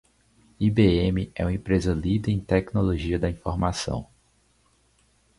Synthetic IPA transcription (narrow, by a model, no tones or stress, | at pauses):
ibeẽmɪɛ̰ũmẽpɾezɐlid̪ɐẽj̃t̪ɛknoloʒiɐd̪ɐĩfoɾmasɐ̰̃w̃